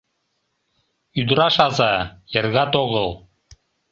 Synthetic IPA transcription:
yd̪ɾɑʃɑzɑjɤ̆rɣɑt̪oɣɤlˠ

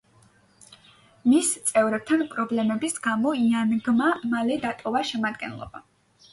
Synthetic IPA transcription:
mist̪sʼɛvɾɛp̚t̪ʰanpʼɾɔblɛmɛbisɡamɔianɡmamalɛd̪at̪ʼɔvaʃɛmad̪ɡɛ̰nlˠɔ̰ba

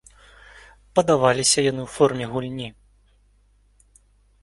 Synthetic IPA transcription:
pɐd̪avalʲisʲɐjanɨwfɔrmʲɛɣulʲnʲi

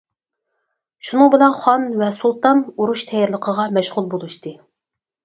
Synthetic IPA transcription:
ʃunɨŋbɪlɛnχɑnvɛsulˠt̪ɑnuɾuʃt̪ʰɛjɾlˠəqʰəʁɑmɛʃʁʊlˠbolˠuʃt̪ɨ

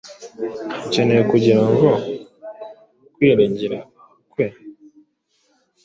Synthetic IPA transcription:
cenekuɟiɾaŋɡo | kwiɾeɲɟiɾa | kwe

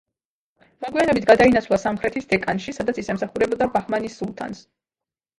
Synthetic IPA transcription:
mɔɡwianɛbit̪ʰɡad̪ainat̪sʰlˠasamχɾɛt̪ʰisd̪ɛkʼanʃisad̪at̪sʰisɛmsaχuɾɛbɔd̪abaχmanisːulˠt̪ʰa̰ns

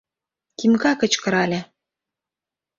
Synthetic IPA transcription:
t̪imkɑkə̆t͡ɕkɤ̆ɾɑlʲĕ

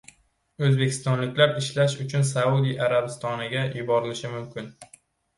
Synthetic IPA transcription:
ɵzbe̞kʲʰɪ̥st̪ɒnlɪkʲlaɾɪʃlaʃʊt͡ʃʰʊnsaud̪ijʔaɾabɪst̪ʰɒnɪɡʲajʊbɒɾɪlɪʃɪmʊmkʲʰɪn

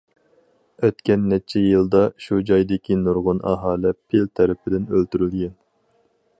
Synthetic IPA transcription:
øt̪kʲɛnːɛt͡ʃʰːɛjɨlˠd̪ɑʃud͡ʒɑjd̪ɪkʲʰinuɾʁʊnʔɑ̰ɦɑːlɪpʰɪlt̪ʰɛɾɪpʰɪd̪ɪnølt̪yɾylɡʲɛn

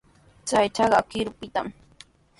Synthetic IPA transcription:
t͡sajt͡ʃɑɢɑkɪɾʊpɪt̪a̰m

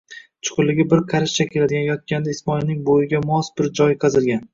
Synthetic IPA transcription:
t͡ʃʰʊ̥qʰʊlːɪɡʲɪbɪɾqʰɑɾɪʃt͡ʃʰakʲʰe̞lad̪ɪɡʲanjɒt̪̚kʲand̪aɪsmɒɪilnɪŋbojɪɡʲamɒsbɪɾd͡ʒɒjqʰɑzɪlɡʲan

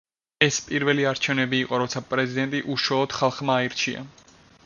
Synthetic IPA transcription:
ɛspʼiɾvɛliaɾt͡ʃʰɛvnɛbiːqʼɔɾɔt̪sʰapʼɾɛzid̪ɛnt̪ʼiʔuʃwalˠɔd̪̥χalˠχmaːiɾt͡ʃʰia̰

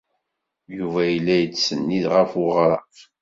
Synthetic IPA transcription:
juvæjlːæjət͡ssənːiðʁəfʊʁɾˤɑ̰

